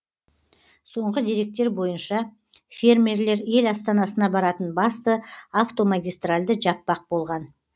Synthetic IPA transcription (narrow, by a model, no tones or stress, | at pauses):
so̞ɴʁəd̪iɾe̞k̚t̪e̞ɾbo̞jənʃɑ | fʲe̞rmʲerle̞ɾe̞lɑst̪ɑnɑsənɑbɑɾɑt̪ənbɑst̪əaft̪o̞maɡʲijst̪ralʲd̪əʒɑpːɑq̚bo̞lˠʁɑn